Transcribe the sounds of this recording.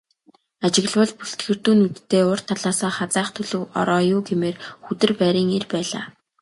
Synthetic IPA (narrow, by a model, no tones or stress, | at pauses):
at͡ɕɪ̆ɣɮwə̆ɮpuɬt̪ɡɘ̆rt̪uːnut̪ːeːʊr̥t̪ʰaɮaːsaːχat͡saːχt̪ʰɵɮɵ̆wɔ̰ɾɔːjʊːɡemeːrxut̪ɘ̆rpæːɾʲiːŋerpæːɮa̰ː